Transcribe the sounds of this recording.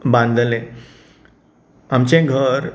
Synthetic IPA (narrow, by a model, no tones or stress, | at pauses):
bãnd̪ʱlẽ | amt͡ɕẽɡʱəɾ